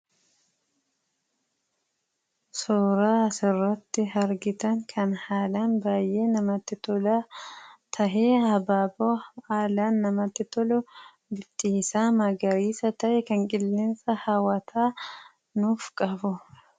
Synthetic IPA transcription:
soːɾaːsɪrːɐt̪ːɪɦɐɾɡɪt̪ɐŋkʰɐnhaːlaːnbaːjʔe̞ːnɐmɐt̪ːɪt̪ɔlɐt̪ʰɐɦeːhɐbaːboːhaːlaːnːɐmɐt̪ːɪt̪ɔlʊ | bɪt̪ʼːiːsaːmɐɡɐɾiːsɐt̪ɐʔɛkɐŋkʼɪlːɪnsɐhɐwɐt̪ʰaː | nuːfkʼɐfʊ

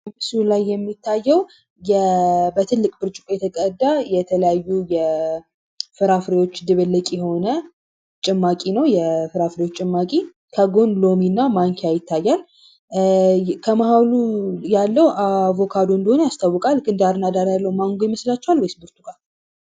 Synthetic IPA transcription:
ɨsulajːɛmːit̪ʰːajːɛw | jɛbət̪ʰɨlːɨkʼbɨɾt͡ʃʼɪkʼojɛt̪ʰəkʼəd̪ːajɛt̪ʰələjajːujɛ | fɨɾafɾewo̞t͡ʃːd̪ɨβəlːəkʼijɛho̞nə | t͡ʃʼɪmːakʼinəwjɛfɨɾafɾewot͡ʃːʼɪmːakʼi | kʰəɡo̞nlo̞minːamaŋkʰejajɪt̪ʰːajːal | kʰəmahawlujalːəwavo̞kʰad̪oɨnd̪iho̞nəjast̪ʰawːɨkʼalɡɨnd̪aɾnad̪aɾjalːəwumaŋɡojiməslat͡ʃːɛwalwjsbuɾt̪ʰukʼa

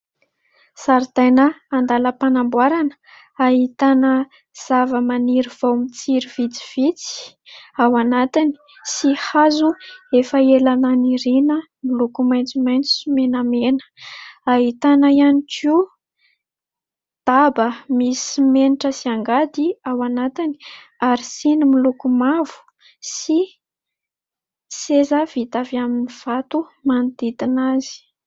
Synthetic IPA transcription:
saɾt̪ajnəːnd̪aləpanambwaɾanə̥ | aɦit̪anə | z̥avəmaniɾiv̥awmit͡siɾiv̥it͡si̥v̥it͡si̥ | awanat̪ini̥ | sihazuefəelananiɾinə | milukumajnt͡simajnt͡sumenamenə̥aɦit̪anaijanikʰiu | d̪̥abəmisimeniʈ͡ʂəsiaŋɡad̪iawanat̪ini̥ | aɾisinimilukumavu̥ | si | sezav̥it̪aviaminiv̥at̪umand̪it̪inazi̥

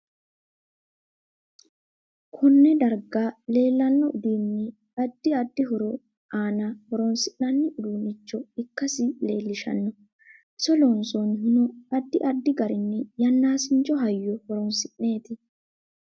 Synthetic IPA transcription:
kʰɔnːɛd̪ɐɾɡale̞ːlːɐnːɔʊd̪iːnːɛ | ɐd̪ːɪɐd̪ːɪɦɔɾɔ | ʔaːnɐhɔɾɔnsɪʔnɐnːɪʔʊd̪uːnɪt͡ʃːɔɪkːɐsɪle̞ːlːɪʃɐ̰nːɔ | sɔlɔnsɔnɦɪnɔɐd̪ːɪʔɐd̪ːɪɡɐɾɪnːɛjɐnːaːsɪnt͡ʃːɔɦɐjːɔhɔɾɔnsɪʔne̞ːt̪ɪ

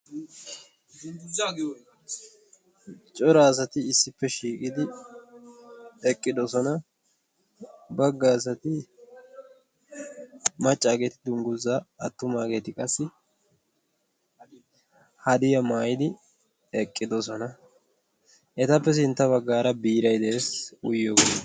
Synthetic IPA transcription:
t͡ʃʼɔɾaːs̬ɐt̪ɪːsːɪpːɛʃiːkʼɪd̪ɪ | ɛkʼːɪd̪ɔsɔnɐ | bɐɡːaːsɐt̪ɪ | mɐt͡ʃʼːaːɡet̪ɪd̪ʊŋɡʊzːaɐt̪ːʊmaːɡe̞ːt̪ɪkʼɐsːɪ | hɐd̪ɪjɐmaːjɪd̪ɪ | ɛkʼːɪd̪ɔsɔnɐ | ʔɛt̪ɐpːɛs̬ɪnt̪ːɐβɐɡːaːɾɐbiːɾɐjd̪ɛeːsʊjːoːɡ

